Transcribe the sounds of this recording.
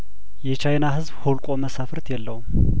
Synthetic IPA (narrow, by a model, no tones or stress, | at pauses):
jɛt͡ʃʰajnaɦɨzbholkʼo̞məsafɨɾt̪ʰjɛlːəwum